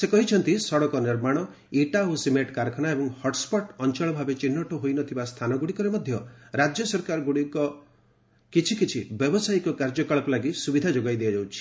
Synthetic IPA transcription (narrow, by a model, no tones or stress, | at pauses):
sekɔɦit͡ʃʰɔnt̪isɔɽɔkɔniɾmaɽ̃ɔ | iʈaosimeʈkaɾkʰɔnaebɔŋhɔʈspɔʈɔnt͡ʃɔɭɔbʱabet͡ʃinːɔʈɔɦojnɔt̪ʰibast̪ʰanɔɡuɽikɔɾemɔd̪ʱjɔɾad͡ʒjɔsɔɾkaɾɔɡuɽikɔ | kit͡ʃʰikit͡ʃʰibjɔbɔsajkɔkaɾd͡ʒɔkaɭɔkɔlaɡisubid̪ʱad͡ʒoɡajd̪iad͡ʒawt͡ʃʰi̥